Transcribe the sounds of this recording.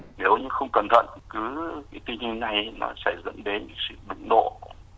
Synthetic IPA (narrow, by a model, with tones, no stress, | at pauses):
ne˨˦wɲɨ˧xə˧wŋ͡mkə˨˩nt̪ʰə̰˧˨nkɨ˨˦kaː˨˦jt̪wi˧nhi˧ŋna˨˩jnɔ̰˨˦saː˧˩jzə̰˧˥nɗe˨˦nɲɨ̰˧˥ŋsɨ̰˧˨ɗʊ̰˧˥ŋ͡mɗo̰˧˨